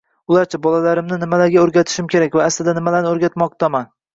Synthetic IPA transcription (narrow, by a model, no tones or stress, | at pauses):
ʊlaɾt͡ʃʰabɒlalaɾɪmnɪnɪmalaɾɡʲaɵɾɡʲat̪ʰɪ̥ʃɪmkʲe̞ɾakʲvaːslɪd̪anɪmalaɾnɪɵɾɡʲat̪mɒq̚t̪ʰaman